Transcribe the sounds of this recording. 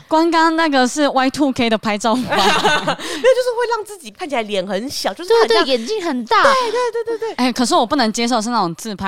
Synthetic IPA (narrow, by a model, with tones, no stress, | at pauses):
kwa˥ŋkɑ˥ŋna˥˩ɡə˨ʂɻ̩˥˩wa˥ɪt̪ʰu˥˧kʰe˥ɪd̪ə˨˩pʰa˧˥ɪʈ͡ʂo˥˧ʊ˨˩˥ | t͡ɕo˥˧ʊʂɻ̩˥˧xwe˥˧ɪɑ˥˧ŋt͡sɹ̩˥˩t͡ɕi˨˩kʰa˥˩nt͡ɕʰi˨˩a˧˦ljɛ˨˩nxə˧˦nɕjɑ˨˦t͡ɕjo˥˧ʂt̪wt̪we˥˩˨jɛ˨˦nt͡ɕi˥˨ŋxə˨˩nt̪a˥˧˩we˥˩t̪we˥˧ɪt̪we˥˧t̪we˥˧˩t̪we˥˩e˥˩ɪkʰə˨˩ʂ̬ɻ̩˥˩wɔ˨˩pu˥˩nə˧˥ŋt͡ɕjɛ˥ʂ̬o˥˧ʊʂ̬̩˥˧na˥˩ʊ˨˩ŋt͡sʰɹ̩˥˧˩pʰa˧˥